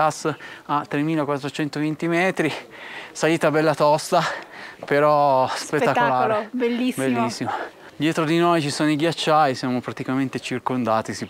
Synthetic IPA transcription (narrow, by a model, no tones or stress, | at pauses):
asːat̪ːɾemiːlakwat̪ːɾot͡ʃɛnt̪ovint̪imɛːt̪ɾi | saliːt̪abɛlːat̪ɔst̪apeɾɔspet̪ːak̪ːolaːlɾebelːisbelːisːima | d̪jɛːt̪ɾod̪inojt͡ʃisoːnoiɡjat͡ʃːajsjaːmopɾat̪ikament̪et͡ʃirkond̪aːt̪isi